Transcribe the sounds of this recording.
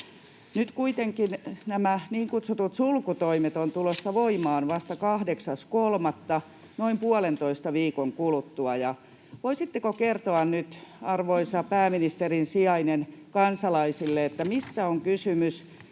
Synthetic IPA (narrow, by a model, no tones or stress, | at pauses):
nyt̪kuit̪eŋkinnæmæniːŋkut̪sut̪ut̪sulkut̪oimet̪ont̪ulosːɑʋoimɑːnʋɑst̪ɑkɑhdeksɑskolmɑt̪ːɑ | noimpuɑlent̪oist̪ɑʋiːkoŋkulut̪ːuɑjɑ | ʋoisit̪ːekokert̪oɑnnyt̪ɑrʋoisɑpæːminist̪erinsiɑinenkɑnsɑlɑisilːeet̪ːæmist̪æoŋkysymys